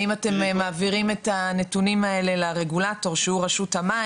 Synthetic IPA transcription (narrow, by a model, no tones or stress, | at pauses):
imate̞mmaːviʁime̞tane̞tunimae̞le̞laʁe̞ɡulato̞ʁʃehuʁaʃuthama